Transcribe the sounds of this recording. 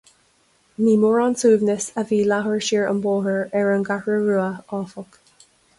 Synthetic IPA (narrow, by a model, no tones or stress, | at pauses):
niːmoɹantʰuːvnəsəviːlaɦəɹʃiɹə̰mboːɦəɹɛɹənɡahɹəɹuːəɑːfɔk